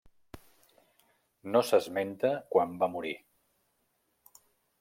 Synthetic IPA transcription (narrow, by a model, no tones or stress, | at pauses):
nosəzment̪əkwambamuɾi